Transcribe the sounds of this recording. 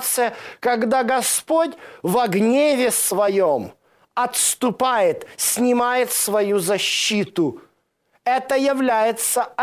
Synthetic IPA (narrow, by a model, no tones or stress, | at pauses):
t̪sɨjəkɐɡd̪aɡɐspotʲvɐɡnʲevʲɪsvɐjom | ɐt̪st̪ʊpajɪt̪sʲnʲɪmajɪt̪svɐjuzɐɕːit̪ʊ | ɛt̪əjɪvlʲæjɪt̪səɐ